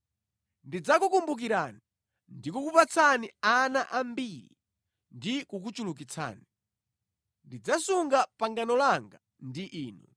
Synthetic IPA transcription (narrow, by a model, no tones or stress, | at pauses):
ndid͡zakukumbuk̬iɾaːni | ndikukupat͡sʰanianaʔambiɾḭ | ndikukut͡ʃulukit͡sʰa̰ːni | ndid͡zasuŋɡapaŋɡanɔlaŋɡa | ndiʔiːnṵ